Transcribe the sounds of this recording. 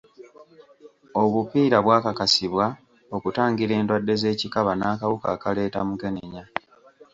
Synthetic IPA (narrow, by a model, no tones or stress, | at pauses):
o̞βupiːɾaβwaːkakasiβwa | o̞kutaːŋɡiɾe̞ːndwadːe̞ze̞ːcikaβanaːkaβuka̰ːkale̞ːta̰muɡe̞neɲa